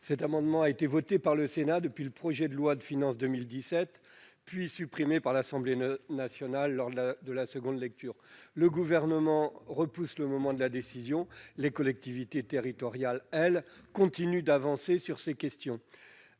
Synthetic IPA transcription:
sɛt̪amɑ̃d̪mɑ̃aet̪evɔt̪epaʁləsenad̪əpɥiləpχɔʒɛd̪əlwad̪əfinɑ̃sd̪əmild̪isɛt̪pɥisypχimepaʁlasɑ̃blenasjɔnalːɔʁd̪d̪əlasəɡɔ̃d̪lɛk̚t̪yːʁləɡuvɛʁnəmɑ̃ʁəpusləmɔmɑ̃d̪əlad̪esizjɔ̃lekɔlɛk̚t̪ivit̪et̪eʁit̪ɔʁjalɛlkɔ̃t̪inyd̪avɑ̃sesyʁsekʲɛst̪jɔ̃

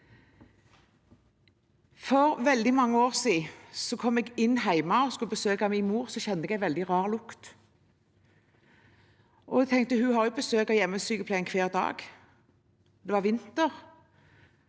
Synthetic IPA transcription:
fɔɾʋɛld̪ɪmɑŋːəoːʁsiːsɔkʰɔmɛɡɪnːɦæɪmɑɔskʉləbəsøːkɑmiːnmuːʁsɔçɛnəɛɡæɪʋɛld̪ɪʁɑːʁlʊkt̪ | ʔɔɛɡ̚t̪ʰɛŋkt̪əhʉhɑɾjʊbəsøːkɔjɛmːəsyːkəplæɪɪnkʰʋeːʁd̪ɑ̰ːɡ | d̪ɛʋɑʁʋɪnt̪əʁ

